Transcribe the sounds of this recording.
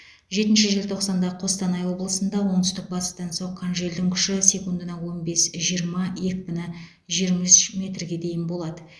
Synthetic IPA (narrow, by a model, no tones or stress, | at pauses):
ʒe̞t̪ɪnʃɪʒelt̪ʰo̞qsɑnd̪ɑəqʰo̞st̪ɑnɑjwo̞blˠəsənd̪ɑwo̞ɴd̪ʏst̪ɪk̚bɑt̪ə̥st̪ɑnso̞ɴqʰːɑnʒe̞ld̪ɪŋkʲʰʏ̥ʃɪse̞kund̪ənɑwo̞nbe̞sʒijəɾmɑje̞kʲbʲɪnɪ | ʒijɾmɑʒʏsmʲe̞t̪rɡʲe̞d̪e̞jɪnbo̞lˠɑd̪ə